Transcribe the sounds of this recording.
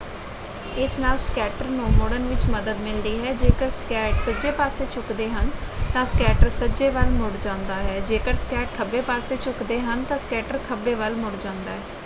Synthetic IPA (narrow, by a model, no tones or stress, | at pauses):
ɪsnaːlskɛːʈəɾnoːmoːɽənʋɪt͡ʃməd̪əd̪mɪlɾiːɦɛːd͡ʒeːkəɾskɛːʈsəd͡ʒeːpaːseːt͡ʃʰʊkd̪eːɦənt̪ãːskɛːʈəɾsəd͡ʒeːʋəlmʊɽd͡ʒãːʊnd̪aːɦɛːd͡ʒeːkəɾskɛːʈ̚kʰəbːeːpaːseːt͡ʃʰʊkd̪eːɦənt̪ãːskɛːʈəɾkʰəbeːʋəlmʊɽd͡ʒãːnd̪aːɦɛː